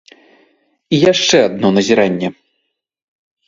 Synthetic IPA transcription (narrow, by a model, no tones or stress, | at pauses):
ijaʂt͡ʂɛad̪̚nɔnɐzʲiɾanʲːɛ